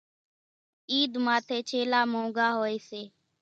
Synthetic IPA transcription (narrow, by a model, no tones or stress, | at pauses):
iːd̪maːt̪ʰeːt͡ʃʰeːlaːmõːɡaːɦoːeːseː